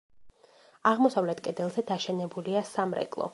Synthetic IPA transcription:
aʁmɔsavlɛt̪ʰkʼɛd̪ɛlˠzɛd̪aʃɛnɛbuliasamɾɛ̰kʼlˠɔ̰

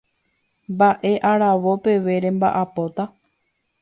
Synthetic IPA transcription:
mbaʔe̞ʔaɾaʋo̞pe̞ʋe̞ɾe̞mba̰ʔapo̞t̪a

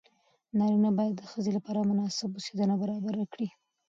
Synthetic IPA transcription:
nɑɾinabɑjad̪ːəxəzelapɑɾamʊnɑsɪbosed̪ənabaɾɑbaɾakɽi

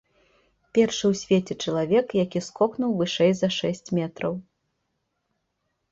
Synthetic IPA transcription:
pʲɛrʂɨwsʲvʲet͡sʲɛt͡ʂɐlˠavʲɛkjakʲiskɔknuwvɨʂɛjzɐʂɛsʲt͡sʲmʲɛt̪ɾɐw

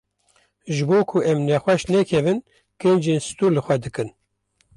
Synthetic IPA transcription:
ʒɨboːkʰuʔɛmnɛxʷɛʃnɛkʰɛvɨn | kend͡ʒeːnsɨ̥t̪uːɾlɨxʷɛd̪ɨkɨn

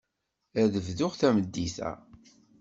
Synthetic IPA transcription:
æðəvðʊʁθæməd̪ːiθæ̰

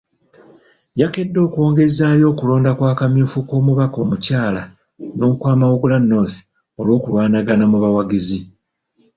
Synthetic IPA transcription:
jake̞dːo̞ːkwo̞ːŋɡe̞zaːjo̞ːkulo̞ːndakwaːkamjuːfuko̞ːmuβako̞ːmucaːla | no̞ːkwaːmawuɡulanːo̞θ | o̞lwo̞ːkulwaːnaɡanamuβawaɡizi

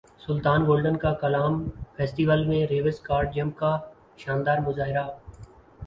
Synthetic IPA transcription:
sʊlt̪aːnɡoːlɖənkaːkɐlaːmfʰeːsʈiːʋəlmẽɾeːʋəskaːɾɖ̚d͡ʒəmkaː | ʃaːnd̪aːɾmʊzaːɦɪɾaː

